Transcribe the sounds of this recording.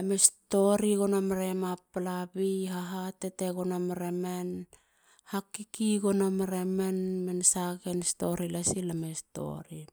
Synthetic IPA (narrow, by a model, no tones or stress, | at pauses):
amesto̞ɾiɡonomɾemapalabiɦaɦateteɡonomaɾemen | hakːikiɡonomɾemenmensaɡensto̞ɾilasilamesto̞̰ɾi